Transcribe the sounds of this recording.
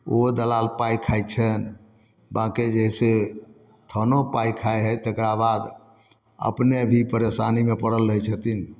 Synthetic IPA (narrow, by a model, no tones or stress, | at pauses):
od̪əlalpajkʰajt͡ʃʰən | baked͡ʒəɦse | t̪ʰənopajkʰajɦɛt̪ekɾabad̪ | ə̰pnebʱipəɾesanimepəɽəlːəɦɛt͡ʃʰət̪in